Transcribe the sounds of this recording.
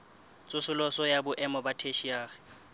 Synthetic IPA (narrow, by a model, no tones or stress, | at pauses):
t͡sʼʊsʊlɔsɔjabʊʔɛmɔbatʰeʃiaːɣɪ̥